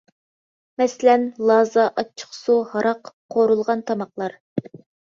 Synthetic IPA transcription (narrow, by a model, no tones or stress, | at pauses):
mɛsɪlɛnlˠɑːzɑʔɑt͡ʃʰːə̥χsuhɑɾɑqqʰːoɾulˠʁɑnt̪ʰɑmɑqlˠɑɾ